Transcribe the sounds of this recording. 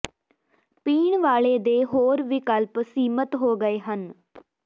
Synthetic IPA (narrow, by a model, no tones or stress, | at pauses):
piːɳʋaːɭeːd̪eːɦoːɾʋikəlpsiːmət̪ɦoːɡəeːɦən